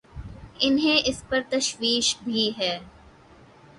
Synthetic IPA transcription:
ɪnɦẽʔɪspɐɾt̪ɐʃwiːʃbʱiɦɛː

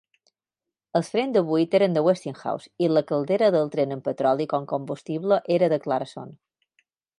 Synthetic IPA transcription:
əlˠsfɾenzd̪əβuit̪eɾənd̪əwest̪iŋxa̰wsiləkəlˠd̪eɾəðəlˠt̪ɾenəmpət̪ɾɔlˠikoŋkombust̪iβləʔeɾəðəklaɾəso̰n

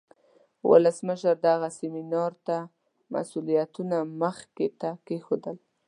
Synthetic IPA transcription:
wʔʊ̰ləsməʃəɾd̪aɣaseminɑɾt̪a | ma̰sulijat̪unaməxket̪akexod̪əl

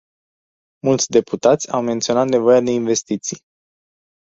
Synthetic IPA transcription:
mult̪sʲd̪e̞put̪at̪sʲawment̪sio̞nat̪ne̞vo̞jad̪e̞inve̞st̪it̪sij

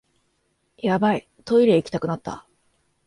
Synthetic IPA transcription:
jabai | t̪o̞iɾeikʲi̥t̪akɯ̟nat̪ːa̰

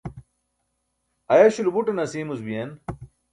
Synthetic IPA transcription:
ɐjaɕulubuʈɐnɐsiːmuzbijen

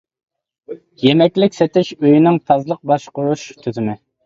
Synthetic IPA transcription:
jemɛkʲlɪkʲsɛt̪ɪʃøjinɪŋt̪ʰɑzlˠəq̚bɑʃqʊɾuʃt̪ʰøzɪmɪ

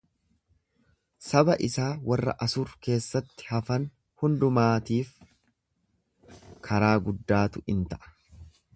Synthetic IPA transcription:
sɐbɐʔɪsaːwɐrːɐ̰ʔɐsʊɾke̞ːsːɐt̪ːɪ̥hɐfɐn | hʊnd̪ʊmaːt̪iːf | kʰɐɾaːɡʊd̪ːaːt̪ʊɪnt̪ɐʔɐ̥

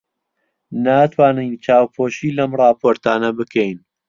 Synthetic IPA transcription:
naːt̪ʰwaːnɨjnt͡ʃaːwpʰoːʃiːlɐmrˤɑːpʰoːɾt̪aːnɐbɨkʰejn

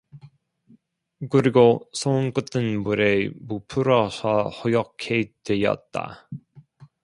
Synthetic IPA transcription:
kɯɾiɡosʰonk͈ɯt͈ʰɯnmuɾe̞mupʰɯɾʌsʰʌhojʌkʰetwe̞jʌ̰t̚t͈a̰

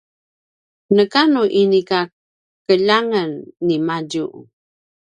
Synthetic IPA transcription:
nəkanuʔinika | kəʎaŋənːimaɟuʔ

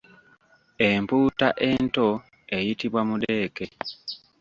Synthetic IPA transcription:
e̞mpuːtaʔe̞nto̞ | e̞jitiβwamude̞ːke̞

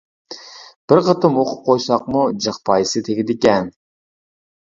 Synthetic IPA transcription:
b̥ɪɾqʰət̪ʰɨmoqʰʊp̚qʰojsɑq̚mud͡ʒɨχpʰɑjsɨt̪ʰeɡʲɪd̪ɪkʲɛn

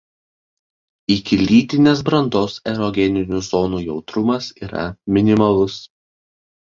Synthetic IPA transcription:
ɪkʲɪlʲiːt̪ʲɪnʲeːs̬bɾɐnd̪oːsɛɾɔɡʲɛnʲɪnʲuˑzɔːnuːjɛʊt̪ɾʊmɐsiːɾɐ̰mʲɪnʲɪmɐlˠʊs

